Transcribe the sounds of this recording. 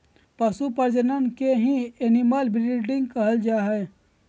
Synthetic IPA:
pəsupəɾd͡ʒənənkeɦĩenimalbɾiɖɪ̃ŋɡ̚kəɦəld͡ʒaːɦɛ

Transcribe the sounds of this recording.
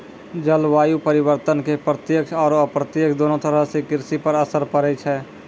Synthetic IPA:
d͡ʒəlʋaːjupəɾɪwəɾt̪ənkepɾət̪jəkʃɔːɾəpɾət̪jəkʰd̪oːnõt̪əɾəɦsekɪɾsipəɾəsəɾpəɾət͡ʃʰɛː

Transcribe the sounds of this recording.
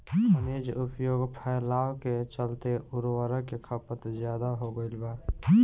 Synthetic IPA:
ənid͡ʒʊpjoːɡpʰɛɪlaːwket͡ʃəlt̪eʊɾwəɾəkekʰəpət̪d͡ʒjaːd̪aɦoɡəɪlbaː

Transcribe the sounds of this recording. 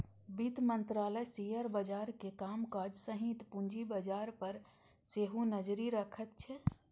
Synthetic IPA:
bit̪mənt̪ɾaləjsijəɾbəd͡ʒaːɾkekamkad͡ʒsəɦit̪puɲd͡ʒibəd͡ʒaɾpəɾ | seɦunəd͡ʒɾiɾəkʰət̪t͡ʃʰɛ

